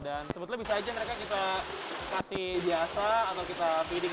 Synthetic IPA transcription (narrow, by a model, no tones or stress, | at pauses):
dansəbut̪labisaːd͡ʒaməɾekakit̪a | kasihbiasaːt̪awkit̪apidɪ